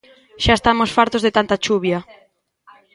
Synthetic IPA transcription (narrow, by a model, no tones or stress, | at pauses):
ʃaest̪amosfaɾt̪ozðet̪ant̪at͡ʃuβja